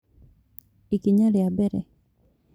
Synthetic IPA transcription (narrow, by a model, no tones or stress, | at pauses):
ikiɲalɪabɛɾɛ̰